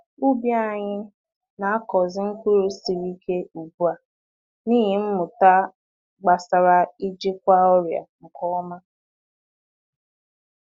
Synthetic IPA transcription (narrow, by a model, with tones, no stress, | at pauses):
u˦bja˦˨ɲɪ˦ | na˨a˦kɔ˨zɪ˦ŋ̩˦kʷu˦ɾo˦si˨ɾi˦kʰe˦u˨bu˦a˨ | niː˦ɦi˨m̩˦mʊ˨ta˦ | ɡ͡ba˨sa˨ɾa˨i˦d͡ʒɪ˦kʷa˦ɔ˦ɾja̰˨ŋ̩˨kɔ˦ɔ˦ma˦